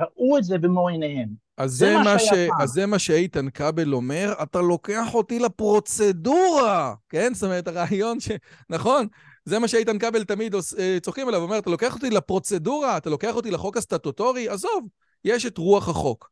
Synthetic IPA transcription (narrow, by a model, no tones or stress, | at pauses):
ʁaʔuetzebemoenehem | azːemaʃeazːemaʃeejt̪ankabelo̞me̞ʁatalo̞ke̞aχo̞tilapʁo̞t͡seduʁake̞nsameʁet̪aʁaːjo̞nʃenaχo̞n | ze̞maʃeejtankabe̞lt̪amid̪oset͡soχkimelavomeat̪alo̞ke̞aχo̞t̪ilapʁo̞t͡se̞duʁaːt̪alo̞ke̞aχo̞t̪̬ilaχo̞kastatoto̞ʁiazo̞v | jeʃetʁuaχhaχo̞k